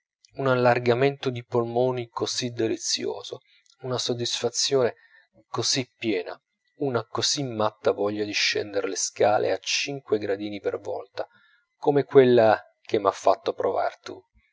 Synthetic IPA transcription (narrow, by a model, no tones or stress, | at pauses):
unalːarɡament̪od̪ipolmoːnikozid̪ːelit̪sːjo̰ːzo | unasod̪ːisfat̪sːjoːne | kozipːjɛːna̰ | unakozimːat̪ːavɔʎːad̪iʃːɛ̰nd̪eɾeleskaːlḛat͡ʃiŋkweɡɾad̪iːnipervɔ̰lt̪a | komekwelːa | k̟emːafːat̪ːopɾova̰rt̪u